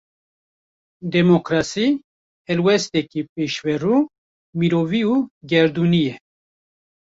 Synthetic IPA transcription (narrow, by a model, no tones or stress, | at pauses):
d̪ɛmokɾasi | hɛlwɛst̪ɛkipeːʃvɛruː | miɾoːviuːɡɛɾd̪unijɛ